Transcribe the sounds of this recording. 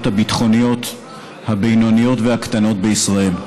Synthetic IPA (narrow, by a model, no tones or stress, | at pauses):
thabit̪χo̞nijo̞t | habejnonijo̞tvehakt̪ano̞t̚beisʁae̞l